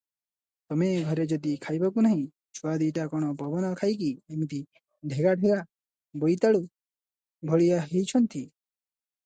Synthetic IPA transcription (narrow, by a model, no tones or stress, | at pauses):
t̪ɔmeɡʱɔɾed͡ʒɔd̪ikʰajbakunaɦĩ | t͡ʃʰuad̪iʈakɔɽ̃ɔpɔbɔnɔkʰajkiemit̪i | ɖʱeɡaɖʱeɡa | bojt̪aɭu | bʱɔɭijaɦejt͡ʃʰɔnt̪i